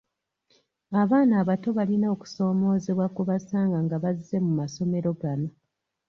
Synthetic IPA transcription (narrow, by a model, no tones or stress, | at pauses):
aβaːnaːβato̞βalinaoku̥so̞ːmo̞ːzeβwakuβasaːŋɡaŋɡaβazːe̞mumaso̞me̞ɾo̞ɡano̞